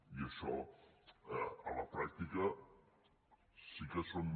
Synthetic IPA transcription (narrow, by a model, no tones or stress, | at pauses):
iəʃɔ | ɐlɐpɾak̚t̪ikɐ | sikəson